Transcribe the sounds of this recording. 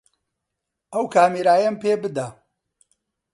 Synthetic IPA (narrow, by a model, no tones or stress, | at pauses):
ʔɐwkʰaːmiːɾaːjɐmpeːbɨd̪a